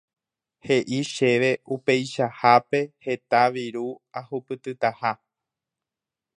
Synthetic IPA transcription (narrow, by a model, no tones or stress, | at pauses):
he̞ʔiʃe̞ʋe̞upe̞jʃahape̞he̞t̪aʋiɾuahupɨt̪ɨt̪aha